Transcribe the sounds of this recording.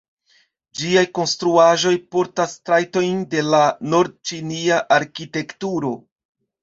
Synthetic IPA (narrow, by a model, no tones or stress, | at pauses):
d͡ʒiajko̞nstɾuaʒo̞jpo̞ɾtastɾajto̞jnde̞lano̞ɾd̚t͡ʃiniaʔaɾkite̞ktuɾo̞